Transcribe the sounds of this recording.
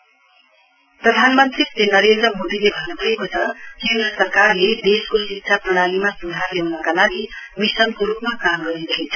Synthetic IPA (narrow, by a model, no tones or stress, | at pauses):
prʌd̪ʱanmʌnt̪rit̪enʌɾend̪ɾrʌmod̪ilebʱʌnːubʱʌekot͡sʰʌkend̪rʌsʌrkarled̪eskosiksʰaprʌɽ̃alimasud͡z̪ʱarlewnʌkalaɡimisʌnkoɾupmakamɡʌɾidʌɦit͡sʰʌ̥